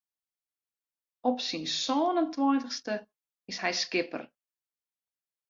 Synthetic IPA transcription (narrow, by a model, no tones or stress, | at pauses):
ɔpsinsɔːnəntwɔjntəxstə | ɪshɛjskɪpə̰r